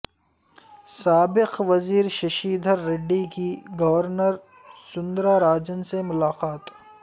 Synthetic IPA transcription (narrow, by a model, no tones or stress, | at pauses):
saːbɪqʋɐziːɾʃɐʃiːd̪ʱəɾːɪɖːikiɡɐʋəɾnəɾ | sʊ̃nd̪ɾaɾaːd͡ʒənsemʊlaːqaːt̪